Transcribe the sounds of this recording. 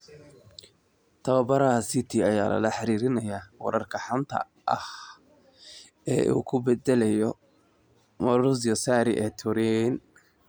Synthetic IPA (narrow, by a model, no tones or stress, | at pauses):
t̪ʰɐβɐbɐɾɐɐsɪt̪ʰiɐjaːlɐ̰lɐħɑɾiːɾɪnɐjaːwɑ̰ɾɐrkʰɐħant̪ʰɐ̰ | ʔɐ̰h | ɛ̰ːʔṵːkʰʊbɛd̪ɛlɛjɔ | mɐɾʊs̬jɔsaːɾɪʔɛːt̪ʰʊɾɛn